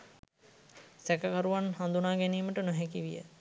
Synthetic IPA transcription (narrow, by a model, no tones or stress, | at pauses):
sækəkaɾuʋanhand̪unaːɡɛniːməʈənoɦɛkiʋḭjə̰